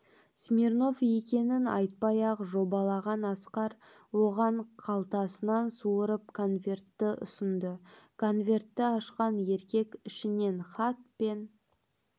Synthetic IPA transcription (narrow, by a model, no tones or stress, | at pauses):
smʲirno̞vje̞kʲe̞nɪnɑ̰jt̪̚pɑjɑqʒo̞bɑlˠɑʁɑnɑsqɑɾ | wo̞ʁɑɴqʰɑlˠt̪ɑsənɑnsuəɾəp̚kʰo̞nvʲe̞rt̪ːɪʔʊ̰sənd̪əkʰo̞nvʲe̞rt̪ːɪɑʃqɑnje̞ɾkʲe̞kʲɪʃɪne̞nχɑt̪̚pe̞n